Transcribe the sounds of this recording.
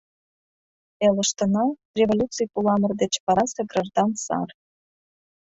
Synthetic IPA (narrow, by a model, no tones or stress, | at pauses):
elə̆ʃt̪ə̆nɑ | rʲevolʲut͡sɨjpulɑmərd̪et͡ɕpɑɾɑseɡrɑʒd̪ɑnt̪sɑ̰r